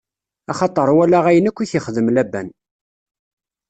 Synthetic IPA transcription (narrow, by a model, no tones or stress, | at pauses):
ɑχɑt̪ˤəɾˤwælæʁæjənækʷːiθiχðəmlæbːæ̰n